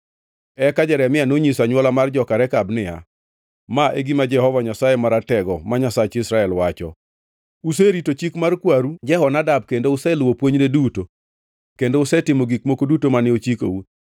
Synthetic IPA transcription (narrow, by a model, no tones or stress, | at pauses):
ɛkad͡ʒɛɾɛmɪanoɲisaɲwɔlamard͡ʒɔkaɾɛkabnɪja̰ | maʔeɡimad͡ʒɛhɔvaɲasajemaɾatɛɡɔmaɲasat͡ʃɪsɾaɛlwat͡ʃɔ̰ | useɾitot͡ʃikmarkwaɾud͡ʒɛhɔnadab̚kendoʊsɛlwopwoɲneduto | kendoʊsɛtɪmoɡikmokodutomanɪot͡ʃiko̰u